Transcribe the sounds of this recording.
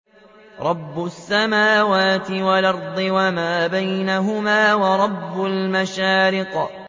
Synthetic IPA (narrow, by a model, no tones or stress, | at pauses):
ɾˤɑbːʊsːamaːwaːt̪ɪwalʔɑɾˤd̪ˤɪwamaːbajnaɦʊmaːwɑɾˤɑbːʊlmaʃaːɾɪq